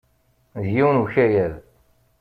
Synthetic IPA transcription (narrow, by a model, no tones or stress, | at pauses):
ðjiwnuçæjæð